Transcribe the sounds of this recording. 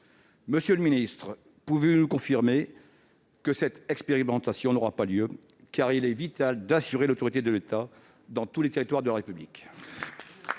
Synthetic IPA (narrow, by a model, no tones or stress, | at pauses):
məsjøləminist̪χ | puvenukɔ̃fiʁme | kəsɛt̪ɛkspeʁimɑ̃t̪asjɔ̃nɔʁapaljø | kaʁilɛvit̪ald̪asyʁelot̪ɔʁit̪ed̪əlet̪a | d̪ɑ̃t̪ulet̪eʁit̪waʁd̪əlaʁepyblḭk